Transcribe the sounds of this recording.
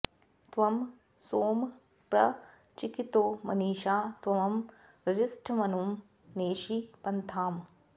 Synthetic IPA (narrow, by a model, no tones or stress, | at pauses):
t̪ʋɐm | soːm | pɾɐ | t͡ʃikit̪oːmɐ̰niːʃaːt̪ʋɐmɐm | ɾɐd͡ʒɪsʈʰɐmɐnum | neːʃipɐnt̪ʰaːm